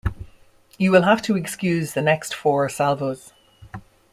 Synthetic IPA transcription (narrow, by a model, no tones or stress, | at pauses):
jəwɪlˠɦaftʰəɛkskjʉːzðənɛkstfɔːɹsalvoz̥